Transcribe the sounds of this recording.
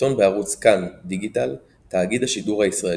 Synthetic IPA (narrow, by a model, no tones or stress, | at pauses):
o̞nbeaʁut͡skandiɡital | taːɡid̪haʃiduʁhaisʁae